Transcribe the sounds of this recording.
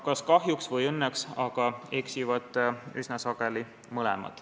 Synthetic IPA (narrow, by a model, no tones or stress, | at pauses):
kɑskɑɦjuksvɤjɤnːeksɑɡ̥ɑe̞ksivɑt̪ˑːysnɑsɑɡ̥e̞li | mɤlɛ̰mɑ̰t̪